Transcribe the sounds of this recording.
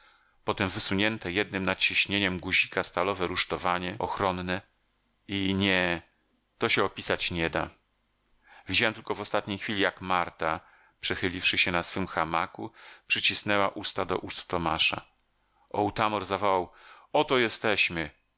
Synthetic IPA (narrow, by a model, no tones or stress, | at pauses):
pɔt̪ɛmvɘsuɲɛnt̪ɛjɛd̪̚nɘmnat͡ɕiɕɲeɲɛmɡuʑikast̪alɔvɛɾuʂt̪ɔvaɲɛʔɔxɾɔnːɛ | iɲɛ | t̪ɔɕɛɔpʲisat͡ɕɲɛd̪a | vʲid͡ʑawɛmt̪ɘlkɔvɔst̪at̪ɲejxfʲilʲijakmaɾt̪a | pʂɛxɘlʲifʂɘɕɛnasfɘmxamakupʂɘt͡ɕisnɛwaʔust̪ad̪ɔ̰ʔust̪ːɔmaʂa̰ | ɔwt̪amɔɾzavɔwawɔt̪ɔjɛst̪ɛɕmɘ